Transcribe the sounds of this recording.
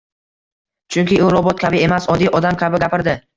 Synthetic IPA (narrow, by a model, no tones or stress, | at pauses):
t͡ʃʰʊŋkʲɪʊɾɒbɒt̪̚kʲʰabɪe̞masɒd̪ijʔɒd̪amkʲʰabɪɡʲapʰɪɾd̪ɪ